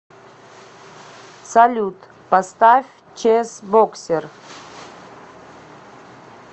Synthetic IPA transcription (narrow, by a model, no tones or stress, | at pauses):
salʲut̪ | past̪afʲ | t͡ʃʰesboksʲer